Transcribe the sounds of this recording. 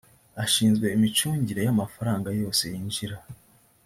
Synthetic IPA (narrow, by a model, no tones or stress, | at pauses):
aʃiːnzɡwe̞imit͡ʃuːɲɟiɾe̞jamafaɾaːŋɡajo̞ːse̞jinʒiɾa